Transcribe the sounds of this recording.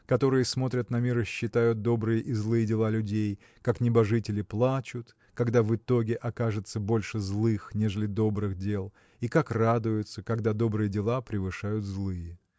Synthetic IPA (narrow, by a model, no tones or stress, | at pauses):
kɐt̪o̞ɾɨjəsmo̞t̪ɾʲət̪nɐmʲiɾɨɕːɪt̪ajʊt̪̚d̪o̞bɾɨjəʔizlˠɨjədʲɪlˠalʲʉdʲej | kaknʲɪbɐʐɨtʲɪlʲɪplˠat͡ɕʊt̪ | kɐɡd̪avɨt̪o̞ɡʲɪʔɐkaʐɨt̪səbo̞lʲʂɨzlˠɨxnʲeʐɨlʲɪd̪o̞bɾɨxdʲe̞lˠ | ikakrad̪ʊjʊt̪səkɐɡd̪ad̪o̞bɾɨjədʲɪlˠapɾʲɪvɨʂajʊt̪zlˠɨjɪ